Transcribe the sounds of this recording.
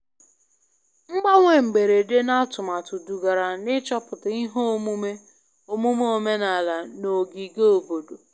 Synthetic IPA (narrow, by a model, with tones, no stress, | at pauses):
ŋ͡m̩˦ɡ͡ba˦ŋʷe˨ŋ͡m̩˨ɡ͡be˨ɾe˨de˦na˦tʊ˨ma˨tʊ˨du˨ɡa˨ɾa˨nɪ˦t͡ʃɔ˦pʊ˨ti˦ɦo˦mu˦me˦ | o˨mu˦m˦o˦me˦na˨la˨no˨ɡi˨ɡe˦o˨bo˨do˨